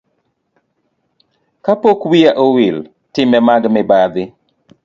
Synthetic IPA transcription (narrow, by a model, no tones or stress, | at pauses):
kapokwiaʔowɪl | tɪmɛmaɡmɛbad̪ɪ